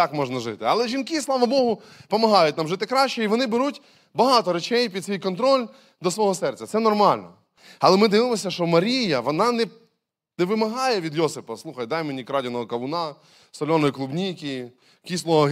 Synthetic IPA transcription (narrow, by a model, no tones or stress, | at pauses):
ɑkmɔʒnɐʒɪt̪ɪɐlˠɛʒʲinkɪslˠɑʋɐbɔɦʊpɔmɐɦɑjʊt̚ʲnɑmʒɪt̪ɪkɾɑʃt͡ʃɛiʋɔnɪbeɾutʲ | bɐɦɑt̪ɔɾet͡ʃɛjpʲid̪sʲʋʲijkɔnt̪ɾɔlʲ | d̪ɔsʋɔɦɔsɛrtt͡sʲɐt̪sɛnɔrmɑlʲnɔ̰ | ɐlˠɛmɪd̪ɪʋɪmɔsʲɐʃt͡ʃɔmɐɾʲijɐʋɔnɑnɛ | nɛʋɪmɐɦɑjɛʋʲid̪jɔsɪpɐslˠuxɐjd̪ɑjmenʲikɾɑdʲɐnɔɦɔkɐʋʊnɑ | sɔlʲɔnɔjiklˠubnʲijkʲi | kʲislˠɔɔ